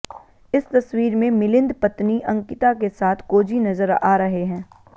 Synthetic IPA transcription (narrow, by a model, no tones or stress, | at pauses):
ɪst̪ɐswiːɾmẽmɪlɪ̃nd̪pɐt̪niʔɐ̃ŋkɪt̪akesaːt̪ʰkoːd͡ʒinɐzəɾa̰ːɾɐɦeɦɛ̃ː